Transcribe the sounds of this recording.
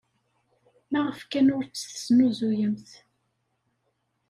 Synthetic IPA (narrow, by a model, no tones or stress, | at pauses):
mæʁəfkænʊɾt͡sːθə̥snuzujəmθ